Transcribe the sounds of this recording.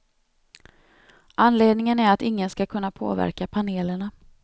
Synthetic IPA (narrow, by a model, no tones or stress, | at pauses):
ʔanːleːd̪nɪŋənæɾat̪ɪŋːənskakʰɵnːapʰo̰ːvæ̰ɾkapʰaneːləɳa